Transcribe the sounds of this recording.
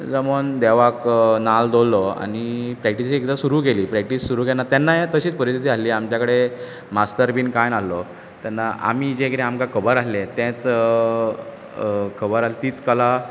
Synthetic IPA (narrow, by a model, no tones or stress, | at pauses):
d͡zəmənd̪eʋaknald̪olːɔa̰ɽ̃ipɾɛkʈisiekd̪asuɾuːkeliːpɾɛk̚ʈisːuɾuːɡenːat̪janːajet̪əɕiːt͡spəɾisit̪ialiːamt͡ɕjakəɽe | mast̪əɾbiːnkãjnalːɔ | t̪anːaʔa̰m̤id͡ʑẽkɾẽamkakʰəbəɾaɦlet̪ɛ̃t͡s | kʰəbəɾalet̪iːt͡skəla